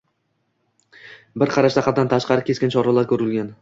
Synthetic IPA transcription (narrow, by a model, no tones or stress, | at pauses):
bɪɾqʰɑɾaʃt̪aqʰɑt̪d̪ant̪ʰaʃqɑɾɪkʲe̞skʲɪnt͡ʃʰɒɾalaɾkʲʰɵɾɪlɡʲan